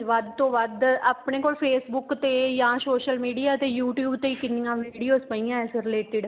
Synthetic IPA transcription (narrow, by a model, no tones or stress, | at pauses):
ʋəd̪t̪õːʋəd̪əpɳeːkoːlpʰeːsbʊkt̪eːjãːsoːʃəlmiːɖijaːt̪eːjuːʈjuːbt̪eːiːkɪniːjãːʋiːɖijoːspə̃iːãːɛsɾɪleːʈɪɖ